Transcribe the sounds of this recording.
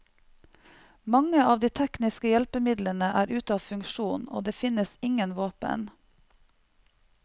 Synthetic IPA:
mɑŋəɑːʋd̪iːt̪ʰɛknɪskəjɛlpəmɪd̪lənəʔæːɾʉːt̪ɑːʋfʉŋʃuːno̰ːd̪eːfɪnəsɪŋənʋɑːpə̰n

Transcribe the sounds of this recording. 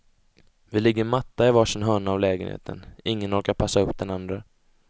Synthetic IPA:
vɪlɪɡːəɾmat̪ːaɪvaʂɪnɦœːɳaːvlɛːɡənhḛːt̪ʰə̰nɪŋːənɔɾkaɾpʰasːaɵpːd̪ɛnand̪ɾə

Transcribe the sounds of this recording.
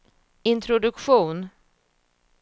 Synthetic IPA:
ɪnt̪ʰɾʊd̪ɵkɧuːn

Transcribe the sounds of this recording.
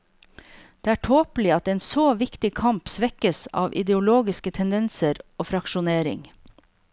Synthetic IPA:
d̪̥eːæːʈʰoːpl̩ɪɑt̪eːnsoːʋɪkt̪ɪkʰɑmpsʋɛkəsɑ̰ːʋʔɪ̰d̪ɛʊloːɡɪskət̪ʰɛnd̪ɛnsəɾoːfɾɑkʃʊneːɾɪ̰ŋ

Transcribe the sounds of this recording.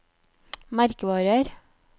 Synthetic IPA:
mæɾkəʋɑːɾəɾ

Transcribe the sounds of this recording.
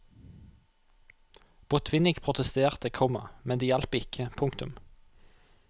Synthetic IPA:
b̥ʊt̪ʰʋɪnɪɡpʰʁʊt̪əst̪eːʁt̪əkʰɔmɑ̰mɛnd̪iːjælpəɪkʰəpʰʊŋkt̪ʉm

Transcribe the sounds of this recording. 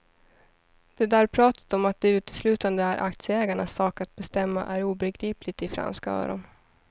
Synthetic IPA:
d̪̥ɛd̪æɾpʰɾɑːt̪ḁt̪ɔmat̪̚d̪ɛʉ̟ːt̪ʰə̥slʉːt̪and̪əæɾʔa̰k̚t̪sjəɛːɡaɳasːɑːkat̪̚bɛst̪ɛmːa̰ʔæɾuːbɛɡɾiːplɪɡt̪ɪfɾa̰nskaœ̰ːɾɔ̰n

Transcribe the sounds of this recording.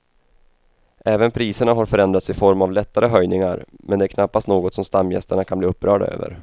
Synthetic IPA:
ʔɛːvənpʰɾiːsəɳaɦaɾfœɾɛnd̪ɾat̪sɪfɔɾmavlɛt̪ːaɾəɦœjnɪŋaɾmɛnd̪ɛæːɾkʰnapːast̪noːɡɔt̪sɔmst̪amːjɛ̰st̪əɳakʰanbliːɵpːɾœːɖa̰ʔø̰ːvə̰ɾ

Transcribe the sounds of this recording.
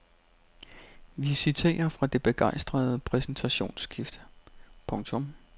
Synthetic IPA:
ʋisit͡sʰe̝̰ːɐfʁɑ̈d̥e̝b̥e̝ɡ̥ɑ̈ɪ̰sd̥ʁɐð̞ˠəpʰʁɛsn̩t͡sʰæɕo̝̰ːnsɡ̥ifd̥əpʰɔ̽ŋt͡sʰɔ̽m

